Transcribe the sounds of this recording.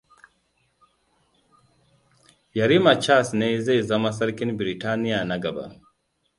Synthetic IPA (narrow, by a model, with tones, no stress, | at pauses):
ja˨ɾi˦ma˨t͡ʃa˦snɛ˦i˦ze˦˨za˦ma˦sɐ˦ɾki˦nbi˨ɾi˨ta˦ni˦ja˨na˨ɡa˨ba̰˨